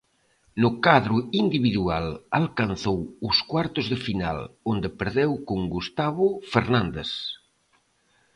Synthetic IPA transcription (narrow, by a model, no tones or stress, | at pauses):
nʊkaðɾʊind̪iβiðualalkan̟θowʊskwaɾt̪ʊzðɪfina̰lond̪epeɾðewkoŋɡust̪aβʊfeɾnãnd̪es